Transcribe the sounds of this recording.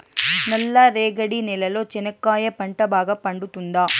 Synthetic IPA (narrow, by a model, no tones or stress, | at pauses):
nɐlːɐɾeːɡɐɽinɛlɐloːt͡ʃɛnɐkːaːjɐpɐɳʈɐbaːɡɐpɐɳɖut̪und̪aː